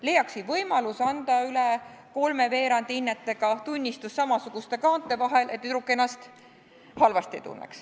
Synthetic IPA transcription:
le̞jːɑksivɤjmɑlusɑnd̪̥ɑyle | ko̞lme̞ve̞ːɾɑnd̪iinːet̪ːe̞ɡ̥ɑt̪unʲːist̪usːɑmɑsuɡ̥ust̪e̞kɑːnt̪ːˑe̞vɑɦe̞lʔe̞t̪ːˑyɾukːˑe̞nːɑst̪ | hɑlvɑst̪iḛt̪ṵnːḛks

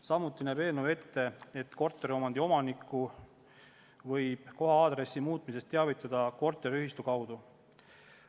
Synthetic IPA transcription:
sɑmut̪ːˑinæːbe̞ːlnowe̞t̪ːe̞et̪ːˑko̞rt̪ːˑe̞ɾio̞mɑnd̪io̞mɑnikˑːu | vɤjb̥ko̞ɦɑɑːd̪̥ɾe̞sːimuːt̪ˑmis̬e̞st̪ːeɑvit̪ːˑɑd̪̥ɑko̞rt̪ːˑeɾyhist̪ukɑwd̪u

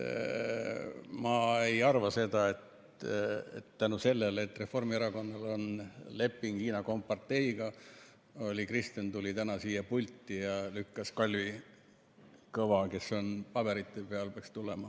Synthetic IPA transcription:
mɑe̞jɑrvɑse̞d̪̥ɑe̞t̪ | ḛt̪ːænuse̞lːelet̪ːˑre̞fo̞rmieɾɑko̞nːɑlo̞nle̞pːˑiŋɡ̥iːnɑko̞mpːɑrt̪ːe̞iɡ̥ɑ | o̞lʲikrist̪ent̪ulʲit̪ænɑsiːjɑpulʲt̪ːˑijɑlykːɑskɑlʲvi | kɤvɑke̞sːo̞npɑbe̞ɾit̪ːˑepe̞ɑlpeɑkst̪ule̞mɑ

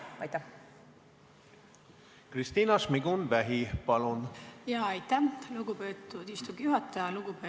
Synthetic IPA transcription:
ɑjt̪ːæ | krist̪iːnɑsmiɡunvæɦipɑlunjɑːɑjt̪ːæluɡupe̞ːt̪ːˑud̪̥ist̪uɡ̥juɦɑt̪ːˑɑjɑluɡ̥upe

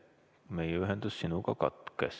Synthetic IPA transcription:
me̞jeyɦend̪̥usːinukɑkɑ̰t̪ˑkes

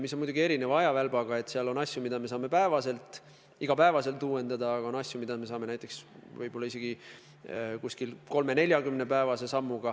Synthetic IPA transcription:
misːonmujd̪uɡie̞ɾinevɑɑjɑvælb̥ɑɡ̥ɑe̞t̪ˑːseɑlo̞nɑsjumid̪ɑme̞s̬ɑːme̞pæevɑse̞lt̪ˑ | iɡ̥ɑpæevɑse̞lt̪uːwe̞nd̪̥ɑd̪ɑːɡɑo̞nɑsʲjumid̪̥ɑme̞sɑːme̞næjt̪ːˑeksvɤjbo̞lːɑise̞ɡ̥i | kuskilko̞lme̞ne̞lʲjɑkymne̞pæevɑse̞sɑmːuɡ̥ɑ

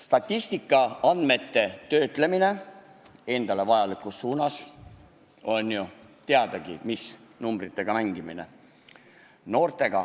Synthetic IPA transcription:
st̪ɑt̪ʲːˑist̪ikːˑɑɑnd̪me̞t̪ːe̞t̪ø̞ːt̪ˑle̞mine̞ | e̞nd̪̥ɑle̞vɑjɑlikusːuːnɑs | o̞nʲjut̪eɑd̪̥ɑɡ̥imisnumbrit̪ːˑe̞ɡ̥ɑmæŋɡimine̞̰ | no̞ːrt̪ˑe̞ɡ̥ɑ

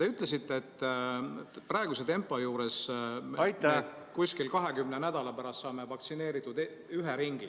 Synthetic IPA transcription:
t̪e̞yt̪ˑle̞s̬it̪ːeːt̪ː | prɑeɡuse̞t̪e̞mpːˑojuːɾe̞sjt̪ː | kusʲkilkɑɦe̞kymnenæd̪̥ɑlɑpæɾɑst̪sɑːmevɑkt̪sine̞ːɾit̪ːˑud̪e | yɦeɾiŋɡi

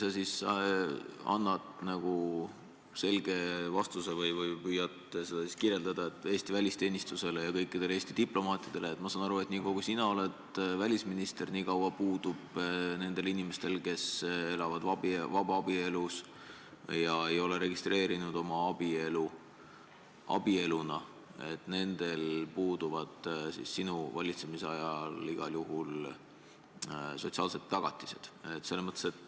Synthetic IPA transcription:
sɑsis | ɑ̰nːɑt̪nɑɡ̥u | se̞lɡ̥e̞vɑst̪usevɤjvɤjpyːjɑt̪se̞d̪̥ɑsi̥skirje̞ld̪ɑd̪̥ɑet̪ːˑe̞ːst̪ivælʲist̪e̞ːnist̪use̞lejɑkɤjkːˑid̪̥e̞le̞ːst̪id̪iplo̞mɑːt̪ʲːˑid̪̥eleet̪mɑsɑːnɑɾuet̪ːˑniːko̞ɡ̥usinɑo̞le̞t̪vælʲisminist̪e̞rniːkɑwɑpuːd̪̥ub̥ne̞nd̪̥e̞linime̞st̪e̞lke̞se̞lɑvɑd̪̥vɑbivɑb̥ɑɑb̥ie̞lus | jɑe̞jo̞le̞ɾe̞ɡist̪re̞ːɾinud̪̥o̞mɑɑb̥ielu | ɑ̰b̥ie̞lunɑ | e̞t̪ːˑne̞nd̪̥e̞lpuːd̪̥uvɑd̪̥sḭsːinuvɑlʲit̪se̞misɑjɑliɡ̥ɑljuɦul | so̞t̪siɑːlset̪ːɑɡ̥ɑt̪ːˑi̥se̞d̪̥e̞t̪ːˑse̞lːesmɤt̪ːˑeset̪

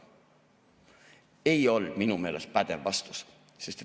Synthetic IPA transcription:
e̞jo̞ld̪̥minume̞ːlḛspæd̪̥evːɑst̪u̥s | sest̪

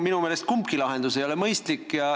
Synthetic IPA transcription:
minumeːlest̪̚kumpkilɑɦe̞nd̪use̞jo̞le̞mɤjst̪likːjɑ

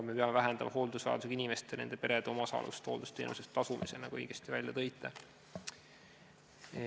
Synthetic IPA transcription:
me̞pe̞ɑmevæɦend̪ɑmʔɑɦo̞ːld̪usvɑ̰ɑ̰d̪usekinʲime̞st̪ene̞̰nd̪e̞pe̞ɾed̪̥eo̞mɑsɑ̰ːlʔṵst̪ho̞ːld̪ust̪ḛːnʔṵsest̪ːɑsumʔise̞̰nɑkoejɡ̥est̪ivælʲjɑt̪ɤ̞jt̪ːˑɑ

